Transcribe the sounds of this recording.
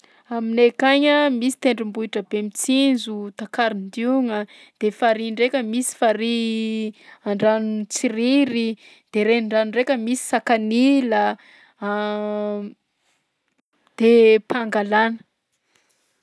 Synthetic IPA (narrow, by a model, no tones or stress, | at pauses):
aminekaɲəmisi̥t̪eɳɖ͡ʐimbuiʈ͡ʂəbemit͡sinzut̪akaɾind̪uŋə | d̪̥efaɾiɳɖ͡ʐekʲəmisi̥faɾi | aɳɖ͡ʐanut͡siɾiɾi | d̪̥eɾeɳɖ͡ʐanurekʲəmisi̥sakanilə | d̪̥epʰaŋɡalanə̥